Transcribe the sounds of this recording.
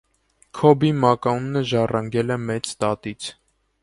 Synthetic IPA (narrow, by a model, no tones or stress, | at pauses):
kʰɔbimɑkɑunːəʒɑrɑŋɡɛlɛmɛt͡st̪ɑt̪it͡sʰ